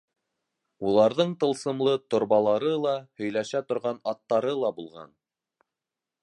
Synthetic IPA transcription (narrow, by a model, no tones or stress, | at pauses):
ulˠɑɾðɤɴt̪ɤ̆lˠsɤ̆mlˠɤt̪ŏɾβɑlˠɑɾɤlˠɑhɵ̆jlæʃæt̪ŏɾʁɑnɑt̪ːɑɾɤlˠɑbulˠʁɑ̰n